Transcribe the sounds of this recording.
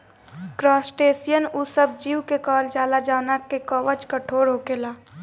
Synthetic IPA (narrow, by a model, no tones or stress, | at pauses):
kɾɔːsʈeːsijənusəb̚d͡ʒiːwkekɔːld͡ʒaːlad͡ʒaːnəkekɔːʋət͡ʃkəʈʰoːɾɦokelaː